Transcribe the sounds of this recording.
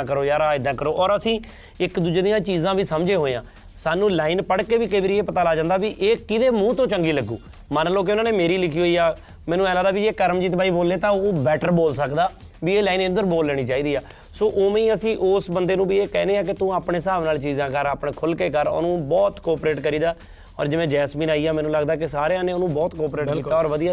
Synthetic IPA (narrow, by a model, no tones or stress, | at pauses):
kəɾoːjaːɾaːɪd̪ãːkəɾoːʔɔːɾəsĩː | ɪkd̪uːd͡ʒeːd̪ɪjãːt͡ʃiːzãːbiːsəmd͡ʒeːɦoːejãː | saːnũːlaːɪnpəɽkeːʋiːkebɾieːpət̪aːlaːd͡ʒãːnd̪aːʋiːʔeːkɪd̪eːmũːt̪õːt͡ʃəŋɡiːləɡːṵː | mənloːk̬eʊnãːneːmeːɾiːlɪkʰiːɦoːiːaː | mɛ̃ːnũːɛːlaːd̪aːbiːd͡ʒeːkəɾəmd͡ʒiːt̪̬baːiːboːlːeːt̪ãːoːbɛːʈəɾboːlsəkd̪aː | ʋiːeːlaːiːnɪ̃nd̪əɾboːlːɛːɽ̃iːt͡ʃaːiːd̪iːaː | soːʔoːmĩːəsĩːʔoːsbənd̪eːnũːbiːeːkɛːneːaːk̬ɪt̪ũːaːpɳeːs̬əɦaːʋnaːlt͡ʃiːzãːkəɾaːpɳeːkʰʊlkeːkəɾo̰ːnũːbɔːt̪kɔːpɾeːʈkəɾiːd̪aː | ɔ̰ːɾd͡ʒɪʋẽːd͡ʒɛːsmiːnaːiːaːmɛːnũːləɡd̪aːkɪsaːɾeãːneːʊnũːbɔːt̪kɔːpɾeːʈkiiːaːɔːɾʋəd̪ijaː